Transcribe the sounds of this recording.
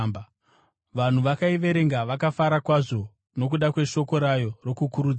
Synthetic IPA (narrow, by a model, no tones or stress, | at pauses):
m | ʋan̤uʋakaiʋe̞ɾe̞ŋɡaʋakafaɾakwaʐo̞ | no̞k̬uɗakwe̞ʃo̞ko̞ɾajo̞ro̞kukuɾud͡z